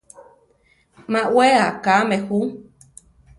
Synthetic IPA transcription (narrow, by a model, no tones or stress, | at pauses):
mãweakamehu